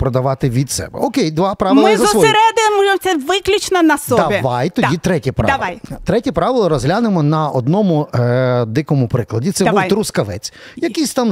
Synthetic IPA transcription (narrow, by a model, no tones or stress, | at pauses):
pɾɔd̪ɐʋɑt̪ɪʋʲid̪sɛ̰bɛ̰ɔkejd̪ʋɑpɾɑʋɪmlˠɪɐzɐɐsɔɾɛd̪ɪmuʒemsʲɛʋɪklʲʊt͡ʃnɐnɐsdɔd̪ɐbʲiʋajt̪ɔd̪ʲit̪ɾɛtʲipɾ̰ɑ̰ɐjt̪ɾɛtʲipɾɑʋɪlˠɐɾɔzɦlʲanɪmɔnɐɔd̪nɔmʊ | d̪ɪkɔmʊpɾɪklˠɐdʲit̪sɛbubwt̪ɾʊskɐʋɛ̰t͡sʲjɐkijsʲt̪ɑm